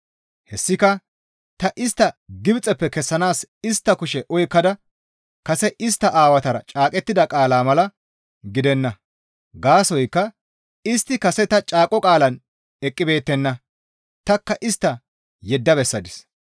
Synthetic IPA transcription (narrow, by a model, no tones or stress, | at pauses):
hɛsːɪkɐ | t̪ɐʔɪst̪ːɐɡɪbt͡sʼɛpːɛkɛsːɐnaːsɪst̪ːɐkʊʃɛʔɔjkːɐd̪ɐ | kɐsɛʔɪst̪ːɐʔaːwɐt̪ɐɾɐ̰t͡ʃʼaːkʼɛt̪ːɪd̪ɐkʼaːlaːmɐlɐ | ɡɪd̪ɛnːɐ | ɡaːsɔjkːɐ | ɪst̪ːɪkɐsɛt̪ɐt͡ʃʼaːkʼːɔkʼaːlɐn | ɛkʼːɪbe̞ːt̪ːɛnːɐ | t̪ɐkːɐʔɪst̪ːɐ | jɛd̪ːɐbɛsːɐd̪ɪs